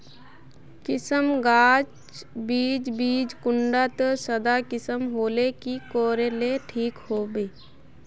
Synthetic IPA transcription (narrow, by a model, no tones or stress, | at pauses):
kɪsəmɡaːt͡ʃ | biːd͡ʒbiːd͡ʒkʊɳɖat̪əsəd̪akɪsəmɦoːlekikoːɾeleʈʰiːkhoːbeː